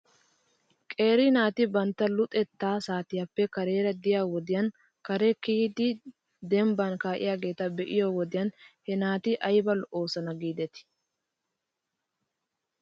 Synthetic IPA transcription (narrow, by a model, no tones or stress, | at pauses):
kʼe̞ːɾɪnaːt̪ɪbɐnt̪ːɐlʊt̪ʼɛt̪ːaːsaːt̪ɪjɐpːɛkɐɾe̞ːɾɐd̪ɪjaːwɔd̪ɪjɐn | kɐɾɛkiːd̪ɪ | d̪ɛmbankaːʔɪ̰jaːɡe̞ːt̪ɐbɛʔɪjowɔd̪ɪjɐnhɛnaːt̪ɪʔɐjbɐlʔo̞ːsɐnɐɡiːd̪ɛt̪ɪ̥